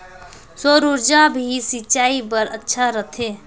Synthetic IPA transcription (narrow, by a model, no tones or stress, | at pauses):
soːɾʊɾd͡ʒabʱisit͡ʃaːipəɾətːʃʰaɾət̪ʰeː